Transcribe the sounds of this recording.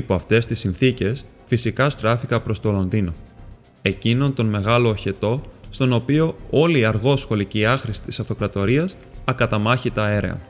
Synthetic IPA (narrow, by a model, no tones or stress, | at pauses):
ipoɐft̪e̞st̪isinθice̞s | fisikɐst̪ɾɐfikɐpɾo̞st̪o̞lo̞nðino̞ | e̞cino̞nt̪o̞nme̞ɣɐlo̞ːçe̞t̪o̞st̪o̞no̞pio̞o̞liːɐɾɣo̞sxo̞liceiɐxɾisi̥t̪i̥sɐft̪o̞kɾɐt̪o̞ɾiɐs | ɐkɐt̪ɐmɐçit̪ɐe̞ɾe̞̰ɐ̰